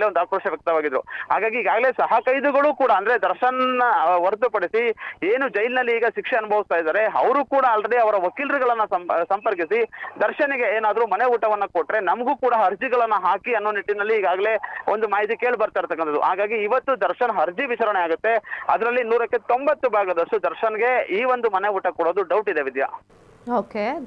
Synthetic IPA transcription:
leond̪aːkɾoːʂɐʋjɐk̚t̪ɐʋaːɡid̪ɾṵɦa̰ːɡaːɡiːɡaːɡɐle̞ːsɐɦɐkɐjd̪uɡɐɭuːkuːɽɐɐnd̪ɐɾed̪ɐɾʃɐnɐnːɐʋɐɾd̪upɐɽisieːnud͡ʒɐjlnɐlːiːɡɐʃikʂeɐnubʱɐʋist̪aːjd̪aːɾe̞ɐ̰ʋɐɾuːkuːɽaːlɾe̞ɽiɐʋɐɾɐʋɐkiːlɾiɡɐɭɐnːɐsɐsɐmpɐɾk̬isid̪ɐɾʃɐnɐɡe̞eːnaːd̪ɐɾumɐne̞uːʈɐʋɐnːɐkoʈːɾe̞nɐmɐɡuːkuːɽɐɦɐɾd͡ʒiɡɐɭɐnːɐɦaːkiɐnːoːniʈːinɐlːiːɡaːɡɐle̞ʔond̪umaːɦit̪̬ike̞ːɭbɐɾt̪aːiɾt̪ɐkːɐnt̪ɐd̪ṵɦaːɡaːɡiːʋɐt̪ːud̪ɐɾʃɐnɐɦɐɾd͡ʒiʋit͡ʃaɾɐɳeaːɡut̪ːe̞ɐd̪ɐɾɐlːinuːɾɐkːe̞t̪o̞mbɐt̪ːubʱaːɡɐd̪ɐʂʈud̪ɐɾʃɐnɐɡe̞iːʋo̞nd̪umɐneuːʈɐkoɽoːd̪uɖɐwʈid̪eʋid̪ja̰ | oːke

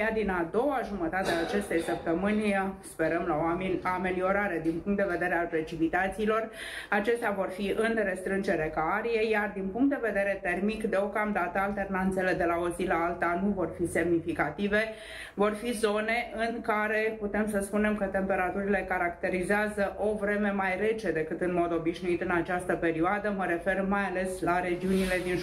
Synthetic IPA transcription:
ad̪inad̪o̞waʒumət̪at̪eaːt͡ʃe̞st̪e̞jsəp̚t̪əmɨnʲspe̞ɾəmlaonʲoame̞lio̞ɾaɾe̞d̪inpuŋkt̪d̪e̞ve̞d̪e̞ɾe̞alpɾe̞t͡ʃipit̪at̪siːlo̞r | at͡ʃe̞st̪eavo̞rfiʔɨnɾe̞st̪ɾɨnd͡ʒe̞ɾekaaɾije̞jard̪inpuŋkt̪d̪eve̞d̪e̞ɾe̞t̪e̞rmikd̪e̞o̞kamd̪at̪əalt̪e̞rnant̪se̞le̞d̪e̞lao̞zilaalt̪anuvo̞rfise̞mnifikat̪ive̞ | vo̞rfizo̞ne̞ʔɨŋkaɾe̞put̪e̞msəspune̞mkət̪e̞mpe̞ɾat̪uɾile̞kaɾakt̪e̞ɾizeazəʔo̞vɾe̞me̞majre̞t͡ʃe̞d̪e̞kɨt̪ɨnmo̞d̪o̞biʃnuit̪ɨnat͡ʃast̪əpe̞ɾioad̪əməɾe̞fe̞rmajale̞slaɾe̞d͡ʒiunile̞d̪in

